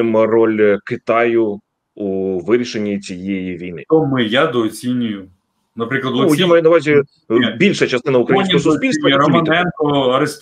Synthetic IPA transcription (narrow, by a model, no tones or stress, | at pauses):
ɪmrɔlʲkɪt̪ɑjʊ | uʋɪɾʲiʃenʲːit͡sʲijejiʋʲijnɪ̰t̪ɔmɪjad̪ɔːt͡sʲinʲʊjʊ | nɐpɾʲiklˠɐd̪ujamɐjunɐʋɑzʲi | bʲilʲʃɐt͡ʃɐst̪ɪnɐʊukɾɐjsʲɔsɔbʲilʲsɐlmɐnɛnt̪ɔɐɾɪst̪